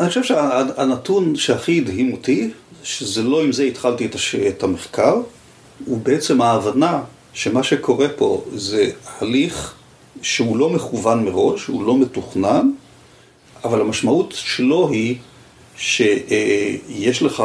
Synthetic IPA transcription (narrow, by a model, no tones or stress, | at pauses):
aniχoʃevʃeaanatunʃeaχiːdɦimotiʃezelo̞imzeitχaltietaʃetameχkaʁ | ubeet͡se̞maːvana | ʃemaʃekʰo̞ʁe̞po̞̰zehaliχ | ʃeulo̞meχuvanmeʁo̞ʃṵlo̞me̞tuχnan | avalhamaʃmautʃelo̞ɦi | ʃe | jeʃleχa